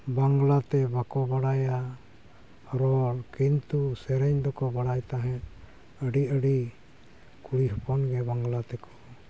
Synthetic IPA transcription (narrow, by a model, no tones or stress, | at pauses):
baŋɡlat̪ɛbakɔbaɽaja | ɾɔɾkint̪usɛɾɛɲd̪ɔkɔbaɽajt̪aɦɛ̃t̪ | əɖiəɖi | kuɽiɦɔpɔnɡɛbaŋɡlat̪ɛkɔ̥